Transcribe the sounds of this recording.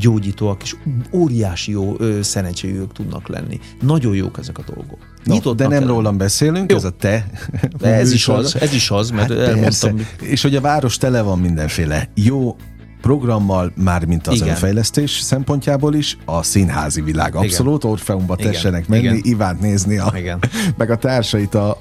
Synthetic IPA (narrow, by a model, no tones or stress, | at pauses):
ɟoːɟiːt̪oːɒke̥ʃoːɾijaːʃijoːøsɛnɛɲt͡ʃeɡyɡøk̚t̪ud̪nʔɒ̰klɛ̰nːḭ | nɒɟo̞jjo̰ːkɛzɛkɒd̪o̞̰lɡok | nit̪ot̪d̪ɛnɛmroːlːɒmbɛseːlyŋkjzɒt̪ɛ | ɛiʃzɛziʃɒzmɛɛloɛnsɛeːʃho̞ɟɒvaːɾo̞ʃt̪ɛlɛvɒmmind̪ɛɱfeːlɛjoː | pro̞ɡrɒmːɒlmaːrmint̪ɒzønnfɛjlɛst̪eːʃsɛmpo̞ɲcaːboːliʃɒsinɦa̰ːzivila̰ːɡɒso̞lut̪o̞rfɛumbɒɛʃɛnɛkmɛnːiʔivaːnt̪neːzniɒiɡɛnmɛɡɒt̪aːrʃɒjit̪ɒ